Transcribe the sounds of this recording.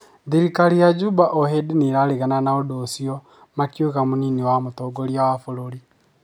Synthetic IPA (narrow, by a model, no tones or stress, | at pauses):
ðiɾikalijad͡ʒubaʔohedineɾaleɣananaodosiɔ | makioɣamoniniwamotoɡoɾiawafoɾoɾi